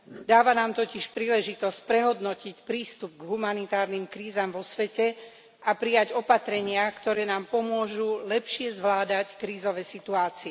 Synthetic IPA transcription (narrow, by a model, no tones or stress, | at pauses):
d̪aːʋanaːmt̪ɔciʃpɾiːlɛʒit̪ɔscpɾɛɦɔd̪nɔcicpɾiːst̪ub̚ɡɦumanit̪aːɾnimkɾiːzamʋɔsʋɛcɛ | apɾijaɟɔpat̪ɾɛɲɪakt̪ɔɾɛːnaːmpɔmʊɔʒulɛpʃɪɛzʋlaːd̪ackɾiːzɔʋɛsit̪uaːt͡siɛ